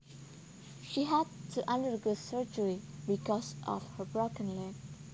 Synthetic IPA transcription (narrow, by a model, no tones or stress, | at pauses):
ʃiɦæd̚tʰuʔãndəɹɡusəɹd͡ʒəɹibikɔsʔɔ̰fhəbɹokə̃nlɛf